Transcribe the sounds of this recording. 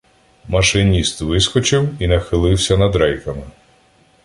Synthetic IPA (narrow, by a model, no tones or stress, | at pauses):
mɐʃɪnʲist̪ʋɪskɔt͡ʃɪwinɐxɪlˠɪwsʲɐnɐd̪ɾɛjkɐmɪ